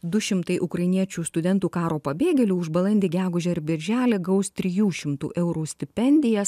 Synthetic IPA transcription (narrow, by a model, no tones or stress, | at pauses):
d̪ʊʃʲɪmt̪ɐɪʔʊkɾɐɪnʲiɛt͡ʃʲuːst̪ʊd̪ʲɛnt̪uːkɑːɾoːpɐbʲeːɡʲɛlʲuːʊʒbɐlˠɐnʲd̪ʲiːɡʲæːɡʊʒʲɛɪɾbʲɪɾʲʒʲæːlʲeːɡɐʊst̪ʲɾʲɪjuːʃʲɪmt̪ṵːʔɛʊɾuːsʲt̪ʲɪpʲɛnʲd̪ʲɪjɛs